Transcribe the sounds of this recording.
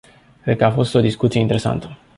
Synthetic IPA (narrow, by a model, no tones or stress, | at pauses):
kɾe̞d̪̚kəafo̞st̪o̞d̪iskut̪sijeint̪eɾe̞sa̰nt̪ə̥